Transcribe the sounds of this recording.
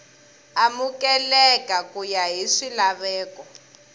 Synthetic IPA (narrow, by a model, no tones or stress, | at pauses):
amukɛlɛkakujaɦiʂilaβɛːkɔ